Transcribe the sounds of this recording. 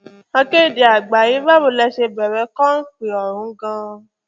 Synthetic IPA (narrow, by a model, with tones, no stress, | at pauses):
ã˧ke˦˨di˨a˨ɡ͡ba˨ji˨˦ba˦wo˧lɛ˧ʃe˧bɛ˨ɾɛ˨˧˦kɔ̃˦n̩˦k͡pi˨ɔ˨ɾ̃ũ˨˦ɡã˧